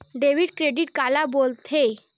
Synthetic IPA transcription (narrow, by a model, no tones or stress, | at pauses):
ɖeʋiɖkɾeɖiʈkalabolt̪ʰe